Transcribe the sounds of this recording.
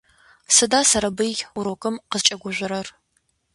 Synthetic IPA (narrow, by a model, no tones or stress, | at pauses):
sɨdaːsɐɾɐbɨjuɾokʼɨmqəzt͡ʃʼɐɡʷʊʒʷɪɾɐr